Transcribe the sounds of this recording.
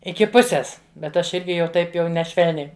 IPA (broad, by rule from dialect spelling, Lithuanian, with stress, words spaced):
ˈɪkʲɪ ˈpʊsʲeːs bʲɛt ˈɐʃ ˈɪrʲɡʲɪ jɛʊ ˈtɐɪp jɛʊ nʲɛˈʃʲʋʲɛlʲnʲɛɪ